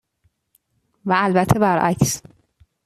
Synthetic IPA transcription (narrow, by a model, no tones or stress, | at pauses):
væːlbæt̪ʰːebæɾʔæ̰cs